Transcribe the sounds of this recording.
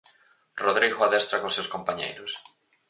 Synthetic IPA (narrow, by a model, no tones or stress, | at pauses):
roðɾiɣoaðɛst̪ɾakosːewskompaɲḛjɾʊs